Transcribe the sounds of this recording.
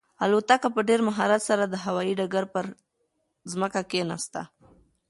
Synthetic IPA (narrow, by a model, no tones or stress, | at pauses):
alot̪akapəɖeɾmaɦɑɾat̪saɾad̪əɦawɑiɖaɡaɾpəɾ | zməkakena̰st̪a̰